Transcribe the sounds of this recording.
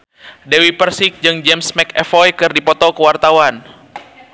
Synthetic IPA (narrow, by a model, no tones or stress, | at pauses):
dɛwipərsik̚d͡ʒɨŋd͡ʒɛmsmɛkɛfɔjkɨrdipɔt̪ɔkəwart̪awan